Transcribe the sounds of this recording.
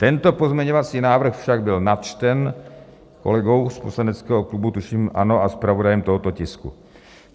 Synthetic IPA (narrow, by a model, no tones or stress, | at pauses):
t̪ɛnt̪opo̞zmɲɛɲovat͡siːnaːvr̩xfʃaɡ̚bɪlnat̪t͡ʃt̪ɛn | ko̰lɛɡo̞wsposlanɛt͡skɛːɦoklubut̪uʃiːmʔa̰no̞aspɾavodajɛmt̪oɦot̪ocɪskṵ